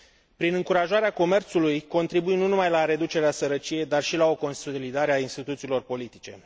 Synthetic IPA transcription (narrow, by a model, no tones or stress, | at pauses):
pɾinɨŋkuɾaʒaɾeako̞me̞rt̪sulujko̞nt̪ɾibujnunumajlaɾe̞d̪ut͡ʃe̞ɾeasəɾət͡ʃije̞jd̪arʃilao̞ko̞nsolid̪aɾeainst̪it̪ut̪siːlo̞rpo̞lit̪it͡ʃe̞̰